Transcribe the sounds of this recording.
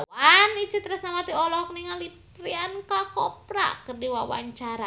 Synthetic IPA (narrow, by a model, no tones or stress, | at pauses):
anit͡ʃət̪ɾasnamat̪iɔlɔk̚niŋalip̚ | ɾiankakɔp̚ra̰kərdiwawa̰ɲt͡ʃaɾa